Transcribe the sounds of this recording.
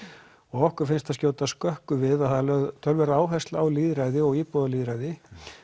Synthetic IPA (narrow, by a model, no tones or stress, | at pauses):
ɔɣɔhkʏɾ̥fɪnst̪aðscjoːwt̪askœhkʏvɪðaθalɛt̪ʰœlvɛɾaːwɦɛst̪laawliːðɾajðɪɔɣiːpɔðaliːðɾajðɪ